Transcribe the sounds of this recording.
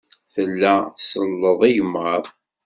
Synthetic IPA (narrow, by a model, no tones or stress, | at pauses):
θəlːæθsəlːəðˤiʝmːəɾˤ